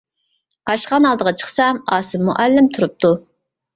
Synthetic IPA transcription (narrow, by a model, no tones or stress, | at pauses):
qɑʃqɑnɑlˠd̪əʁɑt͡ʃʰə̥χsɑmɑːsɨmːṵʔælːɪmt̪ʰuɾup̚t̪ʰu